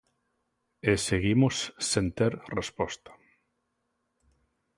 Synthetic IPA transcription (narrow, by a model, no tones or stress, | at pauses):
eseɣimosːent̪eɾrespɔst̪ḁ